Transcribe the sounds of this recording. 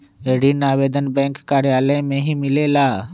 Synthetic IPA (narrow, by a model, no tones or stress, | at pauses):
eːɖinaːʋeːd̪ənbɛ̃ːŋkːaːɾjaːləmẽɦimɪleːlaː